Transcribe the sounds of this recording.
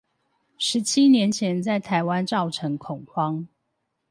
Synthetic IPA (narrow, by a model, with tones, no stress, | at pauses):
ʂɻ̩˨˦t͡ɕʰi˦njɛ˨˧˦nt͡ɕʰjɛ˨˦nt͡sa˥˩ɪt̪ʰa˨ɪwa˦nt͡sɑ˥˨ʊʈ͡ʂʰɤ˨˦ŋkʰʊ˨˩ŋkwɑ˦ŋ